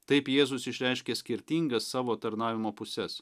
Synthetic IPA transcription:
t̪ɐɪpjeːzʊsɪʃʲɾʲɛɪʃʲkʲeːsʲkʲɪɾʲt̪ʲiːŋɡɐsːɑːʋoːt̪ɐɾnɑːʋʲɪmoːpʊsʲɛs

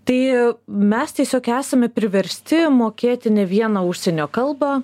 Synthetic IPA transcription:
t̪ɐɪmʲɛst̪ʲiɛsʲoːkæːsɐmʲɛpʲɾʲɪʋʲɛɾʲsʲt̪ʲɪmoːkʲeːt̪ʲɪnʲɛʋʲiɛnɐʊʃʲsʲɛnʲoːkɐlˠbɑ

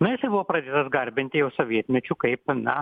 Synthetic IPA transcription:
nʊjɪsɐɪbʊʋoːpɾɐd̪ʲeːt̪ɐsɡɐɾʲbʲɪnʲt̪ʲɪjɛʊsoːʋʲiɛt̪ʲmʲɛt͡ʃʲukɐɪpnɐ

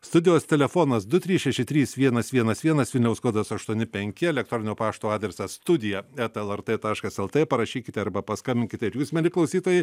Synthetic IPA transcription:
st̪ʊd̪ʲɪjoːst̪ʲɛlʲɛfoːnɐsd̪ʊt̪ʲɾʲiːsʃʲɛʃʲɪt̪ʲɾʲiːsʋʲiɛnɐsʋʲiɛnɐsʋʲiɛnɐsʋʲɪlʲnʲɛʊskoːd̪ɐsɐʃt̪uɔnʲɪpʲɛŋʲkʲɪɛlʲɛk̚t̪ɾoːnʲɪnʲoːpɑːʃt̪oːɑːd̪ʲɾʲɛsɐst̪ʊd̪ʲɪjɛɛt̪ɛlˠɛrt̪et̪ɑːʃkɐsɛlˠt̪epɐɾɐʃʲiːkʲɪt̪ʲɛɐɾbɐpɐskɐmʲbʲɪnʲkʲɪt̪ʲɛɪɾjuːsmʲɛlʲɪklˠɐʊsʲiːt̪oːjɛɪ

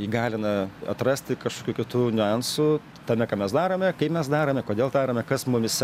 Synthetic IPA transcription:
iɡɑːlʲɪnɐɐ̰t̪rɐsʲt̪ʲɪkɐʃkoːkʲuːkʲɪt̪uːnʲʊɑnsu | t̪ɐmʲɛkɑːmʲɛsd̪ɑːɾoːmʲɛkɐɪpmʲɛsd̪ɑːɾoːmʲɛkoːd̪ʲeːlˠt̪ɑːɾoːmʲɛkɐsmʊmʲɪsʲ

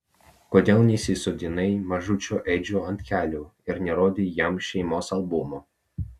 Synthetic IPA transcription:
koːd̪ʲeːlˠnʲɛsʲɪsod̪ʲɪnɐɪmɐʒʊt͡ʃʲoːʔɛɪd͡ʒʲuːɐnʲt̪ʲkʲæːlʲuːɪɾnʲɛɾoːd̪ʲiːjɛmʃʲɛɪmoːsɐlˠbʊmoː

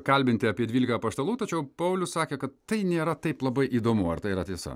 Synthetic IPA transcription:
kɐlʲbʲɪnʲt̪ʲɪɐpʲiɛd̪ʲʋʲiːlʲɪkɐpɐst̪ɐlˠuːt̪ɐt͡ʃʲɛʊpɐʊlʲʊssɑːkʲeːkɐt̪t̪ɐɪnʲeːɾɐt̪ɐɪplˠɐbɐɪʔiːd̪oːmʊɐ̰ɾt̪ɐɪiɾɐt̪ʲiɛsɐ̰

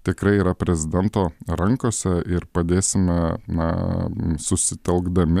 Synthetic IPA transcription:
t̪ʲɪkɾɐɪiːɾɐpʲɾʲɛzʲɪd̪ʲɛnt̪oːɾɐŋkoːsʲɛʔɪɾpɐd̪ʲeːsʲɪmʲɛnɐ̰sʊsʲɪt̪ʲɛlˠɡd̪ɐmʲɪ

